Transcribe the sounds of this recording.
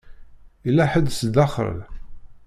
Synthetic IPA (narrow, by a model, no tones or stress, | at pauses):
ilːæħəd̪sd̪ɑχɾə̰l